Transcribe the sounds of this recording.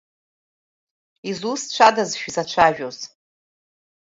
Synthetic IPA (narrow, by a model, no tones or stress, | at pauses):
izust͡ʃʷʰadazʃᶣizat͡ʃʷʰaʒᶣoz